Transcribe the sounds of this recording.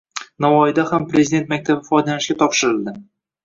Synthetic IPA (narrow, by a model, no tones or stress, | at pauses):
navɒjd̪ahampɾʲezid̪e̞nt̪̚mak̚ʲt̪ʰabɪfɒjd̪alanɪʃkʲat̪ʰɒpʃɪɾɪlˠd̪ɪ